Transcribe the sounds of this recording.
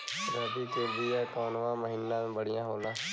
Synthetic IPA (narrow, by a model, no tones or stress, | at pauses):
ɾɛːd̪iːt̪eːbiːɛːkɔːnʋãːməɦiːnːãːbəɽɪjãːɦoːnãː